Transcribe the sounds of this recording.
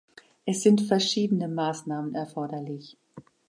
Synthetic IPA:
ʔɛsz̥ɪntfɛɐʃiːdənəmaːsnaːmənɛɐfɔɐdɐlɪç

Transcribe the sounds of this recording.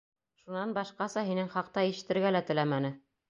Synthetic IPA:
ʃunɑnbɑʃqɑsɑɦinɘŋχɑqt̪ɑiʃɘ̆t̪ːɘ̆ɾɡælæt̪ɘ̆læmænɘ

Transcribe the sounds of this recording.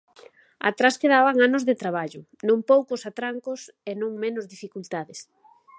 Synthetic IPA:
a̰t̪ɾaskeðaβaŋanʊzðet̪ɾaβ̞aʎʊ | nõŋpowkʊsat̪ɾaŋkos | enõŋmenʊzðifikult̪aðɪs

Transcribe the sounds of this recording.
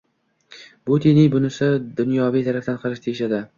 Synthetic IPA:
bʊt̪ʰinɪŋbʊnɪsɪd̪ʊnjɒvijt̪ʰaɾaft̪anqʰɨɾɪʃt̪ʰeɪʃad̪ɪ

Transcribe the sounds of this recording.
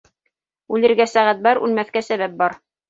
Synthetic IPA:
ʉlɘ̆ɾɡæsæʁæt̪̚bɑɾʉ̰lmæθkæsæβæp̚bɑɾ

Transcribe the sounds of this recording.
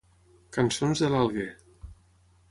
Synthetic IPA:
kansonzðəlalˠɣe

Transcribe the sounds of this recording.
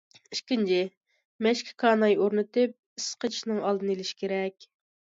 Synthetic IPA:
iʃkʲint͡ʃʰɪ | mɛʃkʲʰi̥kʰɑːnɑjoɾnɨt̪ɨp̚ | isqət͡ʃʰiʃnɨŋɑlˠd̪ɨnɨelɪʃi̥kʲeɾɛkʲ

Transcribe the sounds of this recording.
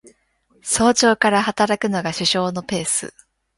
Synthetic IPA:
so̞ːt͡ɕo̞ːkaɾahat̪aɾakɯ̟no̞ɡaɕɨɕo̞ːno̞pe̞ːsɨ̰

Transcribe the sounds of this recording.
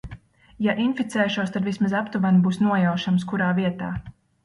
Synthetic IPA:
jaʔinfit̪sɛːʃuɔst̪ad̪vismazapt̪uvanbuːsnuɔjawʃamskuɾaːviɛt̪aː

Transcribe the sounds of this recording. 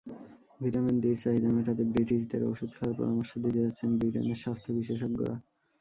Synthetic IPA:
bʱiʈamenɖiɾt͡ɕaɦid̪amet̪at̪ebɾiʈid͡ʑt̪eɾo̰ʃud̪kʰaaɾpɔ̰ɾamoɾʃod̪it̪ed͡ʑatːɕʰenbɾiʈḛmeɾʃast̪ʰobiʃeʃoɡːo̰ɾa̰

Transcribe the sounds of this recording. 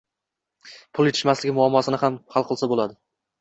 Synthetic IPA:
pʰʊlˠjet̪ʰɪʃmaslɪɡʲɪmʊamːɒsɪnɪhamhalˠqɨlˠsabolad̪ɪ

